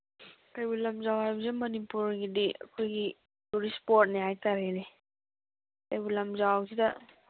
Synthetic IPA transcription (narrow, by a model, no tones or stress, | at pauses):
kajbulɐmzawhajbɐsimɐnipuɾɡidiɐ̰kʰojɡi | tuɾispoɾt̚neɦajtaɾene | kajbulamzawsida